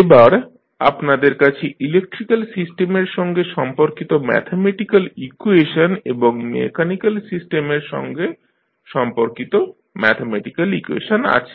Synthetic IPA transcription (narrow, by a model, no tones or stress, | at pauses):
ebaɾ | a̰pnad̪eɾkat͡ɕʰeʔilek̚ʈɾikalsisʈemeɾʃɔŋɡeʃɔmpoɾkit̪omɛ̰t̪ʰemeʈikalikueʃoneboŋmḛkʰanikalsisʈemeɾʃɔ̰ŋɡe | ʃɔmpoɾkit̪o | mɛt̪ʰemɛʈikalikuḛʃona̰t͡ɕʰe̥